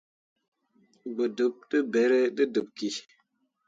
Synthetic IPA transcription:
ɡ͡bə˨də˨˦p̚ɗə˦be˨˦ɾe˦ɗə˦də˨p̚ki˨

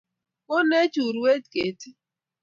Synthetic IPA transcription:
o˦ne˦t͡ʃu˨ɾu˨˦e˦tke˨ti˦

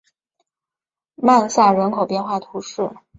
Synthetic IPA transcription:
ma˥˧nsa˥˩ɻə˧˥nkʰo˨˩ʊpjɛ˥˧nxwa˥˩t̪ʰu˧˥ʂɻ̩˥˩

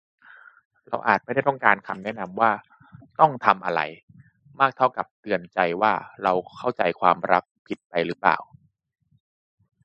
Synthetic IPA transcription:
ɾa̰˧wʔaː˨˩t̪̚ma˥˩da˥˩t̪ɔ˥˩ŋkaː˧nkʰa˧mnɛ˦˥ʔna˧mwaː˥˩ | t̪ɔ˥˩ŋt̪ʰa˧mʔa˧ɾa̰˧j | maː˥˩k̚t̪ʰa˥˩wka˨˩p̚t̪ɯ˧ənt͡ɕa˧jwaː˥˩ɾa˧wkʰa˥˩wt͡ɕa˧jkʰwaː˧mɾa˦˥k̚pʰi˨˩t̪̚pa˧jɾɯ˦˥pla̰ː˨˩w

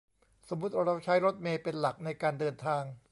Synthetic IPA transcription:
so˩˦mːu˦˥t̪̚ʔo˧ɾa˧˥wt͡ɕʰa˦˥jɾo˦˥t̪̚meː˧pe˧nla˨˩k̚na˧jkaː˧ndɤː˧nt̪ʰaː˧ŋ

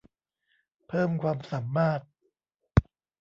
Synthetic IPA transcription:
pʰɤː˥˩mkʰwaː˧msa˩˦mːaː˥˩t̪̚

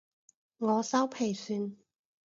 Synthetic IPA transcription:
ŋɔː˨˧sɐ˥wpʰe˨˩jsyː˧n

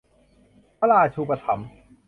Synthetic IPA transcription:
pʰa˥laː˧˩t͡ɕʰuː˧pa˧t̪ʰa̰˩˦m

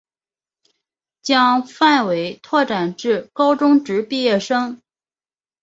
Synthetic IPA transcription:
t͡ɕjɑ˥ŋfa˥˩nwe˧˥ɪt̪ʰwɔ˥˩ʈ͡ʂa˨˩nʈ͡ʂɻ̩˥˩kɑ˥ʊʈ͡ʂʊ˥ŋʈ͡ʂɻ̩˧˥pi˥˧jɛ˥˩ʂɤ˥ŋ

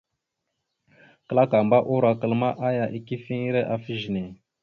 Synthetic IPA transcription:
kə˨la˦ka˨mba˦ʔu˦ɾa˨kə˨lma˦ʔa˦ja˨ʔi˨ki˦fi˦i˦ɾe˦ʔa˨fi˦ʒi˨ne˨

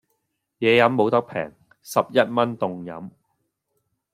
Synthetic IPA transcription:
jɛː˨˧jɐ˨˥mːo˨˥wt̪ɐ˥k̚pʰɛ̰ː˨˩ŋ | sɐ˨p̚jɐ˥t̚mɐ˥nt̪ʊ˨ŋjɐ̰˨˥m

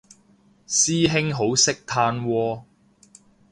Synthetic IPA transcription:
siː˥ɦɪ˥ŋɦo˨˥wsɪ˥k̚t̪ʰaː˧nwɔː˧

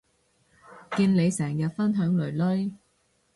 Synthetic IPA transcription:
kiː˧nle˨˧jsɛː˨˩ŋjɐ˨t̚fɐ˥nɦœː˨˥ŋlɵ˨˩ɥlɵ˥j

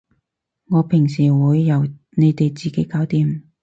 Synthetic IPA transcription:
ŋɔː˨˧pʰɪ˨˩ŋsiː˨˩wuː˨˧jːɐ˨˩w | ne˨˧jt̪e˨jt͡siː˨ke˨˥jkaː˨˥wt̪iː˨˧m

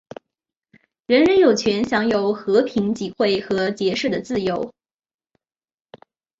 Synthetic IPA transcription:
ɻə˧˥nɻə˧˥njo˨˩ʊt͡ɕʰɥɛ˧˥nɕjɑ˧˥ŋjo˨˩ʊxɤ˧˥pʰi˧˥ŋt͡ɕi˨˩xwe˥˩ɪxɤ˧˥t͡ɕjɛ˧˥ʂ̩˥˩d̪ə˩t͡sɹ̩˥˩jo˧˥ʊ

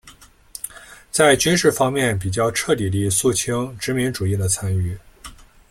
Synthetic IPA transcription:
t͡sa˥˩ɪt͡ɕy˥nʂɻ̩˥˩fɑ˥ŋmjɛ˥˩np̬i˨˩t͡ɕjɑ˥˧ʊʈ͡ʂʰɤ˥˩t̪i˨˩li˥˧su˥˩t͡ɕʰi˥ŋʈ͡ʂɻ̩˧˥mi˧˥ŋʈ͡ʂu˨˩i˥˩d̪ə˩t͡sʰa˥ny˥˩

